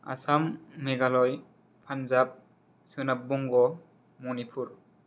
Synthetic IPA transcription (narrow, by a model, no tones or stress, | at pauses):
a̰samːeɡalɔj | pʰanzap̚ | sɯnap̚buŋɡɔ | mɔnipʰuɾ